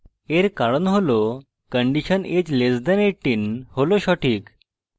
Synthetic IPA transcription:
eɾkaɽənɦolo | kəɳɖiɕənet͡ɕled͡zd̪əneʈːiːnholoɕɔʈʰiːk

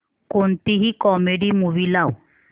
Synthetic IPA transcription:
kont̪iɦikɔmeɖimuʋilaw

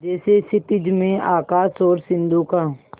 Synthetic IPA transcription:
d͡ʒɛːsesɪt̪ɪd͡ʒmẽaːkaːsɔːɾsɪ̃nd̪ʱukaː

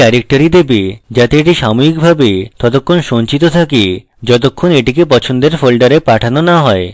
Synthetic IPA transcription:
ɛɾek̚ʈoɾid̪ebed͡ʑat̪eeʈiʃamoikbʱabet̪ɔt̪okʰːonʃont͡ɕit̪̬ot̪ʰake | d͡ʑɔt̪̬okʰːoneʈikepɔt͡ɕʰond̪eɾfolɖaɾepaʈʰanonaɦɔe

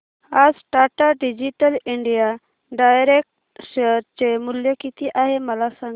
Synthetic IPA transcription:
azsʈaːʈaɖid͡ʒiʈəliɳɖija | ɖajɾek̚ʈ | seɾt͡ʃemʊljəkit̪iʔaːɦemɐlasə̃ŋ

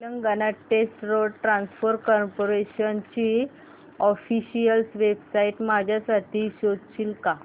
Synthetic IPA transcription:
ləŋɡanaʈesʈɾoɽʈɾãnsfəɾkɔɾpoɾeɕənt͡ɕi | ɔfiɕijəlsʋebsaiʈmad͡ʑʱjasaʈʰiːɕod̪ʱt͡ɕilka

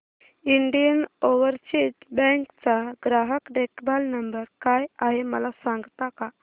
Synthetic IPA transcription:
iɳɖijənoʋəɾsiʈbɛ̃ŋkt͡saɡɾaɦəkɖekbalnəmbəɾkajaɦeməlasãŋɡt̪aka

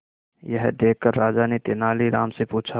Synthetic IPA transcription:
jəɦd̪eːkːəɾːaːd͡ʒanet̪enaːliɾaːmsepuːt͡ʃʰa

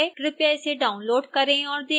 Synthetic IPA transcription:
ʈɾɪpjaɪseɖaːʊnloːɖkɐɾẽɔːɾd̪e

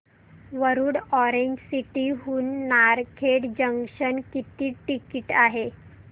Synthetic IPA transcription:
ʋəɾuːɽɔɾeɲd͡ʑsiʈiːɦuːnːaɾkʰeɽd͡ʑəŋkɕənkit̪iːʈikiʈaɦe

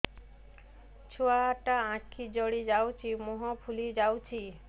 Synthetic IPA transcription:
t͡ɕʰoaʈaãʈkʰid͡ʑɔɽid͡ʑawt͡ʃʰimuɦɔpʰulid͡ʑawt͡ʃʰi

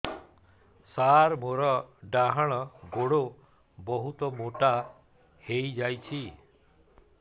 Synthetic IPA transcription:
saɾmoɾɔɖaɦɔɽ̃ɔɡoɽo | bɔɦut̪ɔmoʈa | hejd͡ʒajt͡ʃʰi

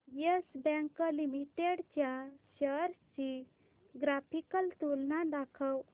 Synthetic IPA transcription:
jəsbɛ̃ŋkəlimiʈeɽt͡ɕjaɕəɾt͡ɕi | ɡɾapʰikəlt̪ulnad̪akʰəw

